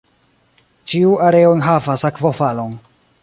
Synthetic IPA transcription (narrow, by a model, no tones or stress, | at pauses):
t͡ʃiuaɾeonɦavasakvofalon